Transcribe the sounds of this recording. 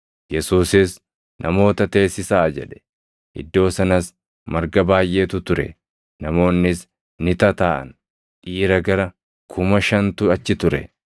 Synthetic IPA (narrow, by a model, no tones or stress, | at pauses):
jɛsuːsɪs | nʔɐmo̞ːt̪ɐt̪e̞ːsːɪsaːd͡ʒɛᶑɛ̥ | ʔɪ̰d̪ːo̞ːsɐnɐs | mɐɾɡɐbaːjʔe̞ːt̪ʊt̪ʊɾɛ̰ | nɐmo̞ːnːɪs | nɪt̪ɐt̪aːʔɐ̰n | ʔiːɾɐɡɐɾɐ | kʰʊmɐʃɐnt̪ʊɐt͡ʃːɪt̪ʊɾɛ̰